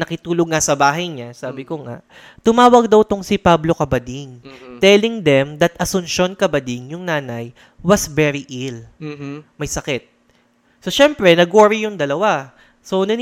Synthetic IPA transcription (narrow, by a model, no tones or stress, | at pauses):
nɐkɪt̪uːloɡ̚ŋasɐbaːɦɐjɲasaːbɪkoŋa̰ʔ | t̪ʊmaːwɐɡ̚d̪ɐwt̪oŋsɪpablo̞kɐbɐd̪iŋt̪ɛlɪŋd̪ɛmd̪ɐt̪ʔɐsʊnʃo̞nkɐbɐd̪iŋjʊŋnaːnɐj | wɐsvɛɾiʔil | mɐjsɐkɛt̪̚ | soʃɛmpɾɛnɐɡoːɾɪjʊŋd̪ɐlɐwa | so̞nɐn